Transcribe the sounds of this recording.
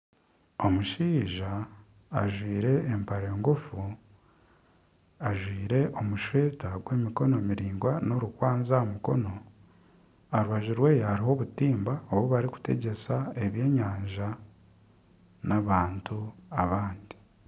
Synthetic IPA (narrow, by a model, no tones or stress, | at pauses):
o̞muʃiːʒaː | ʒwiːɾe̞ːmpaɾe̞ːŋɡufu | aʒwiːɾe̞ʔo̞muʃwe̞ːtaɡwe̞ːmiko̞no̞miɾiːŋɡwano̞ɾukwaːnzamuko̞no̞ | aɾuβaʒuɾwe̞ːjohaɾiɦo̞βutiːmbaoβuβaɾiku̥te̞̰ɟe̞sae̞βje̞ːɲaːɲʒa | naβaːntuaβaːndi